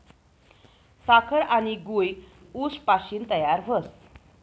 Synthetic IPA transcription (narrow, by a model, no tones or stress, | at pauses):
sakʰəɾañiɡuj | uspaɕiːnt̪əjaɾʋəs